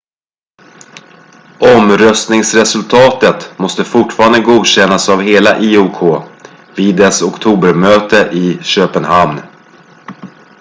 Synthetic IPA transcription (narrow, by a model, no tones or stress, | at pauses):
ɔmɾœst̪nɪŋsɾɛsɵlt̪ʰɑːt̪ət̪mɔst̪əfʊʈfɑːɾand̪əɡuːd̪ɕɛnːasavɦeːlaʔiːukʰoː | vɪːd̪ɛsɔkt̪ʰuːbəɾmøːt̪əʔɪɕøːpənɦamn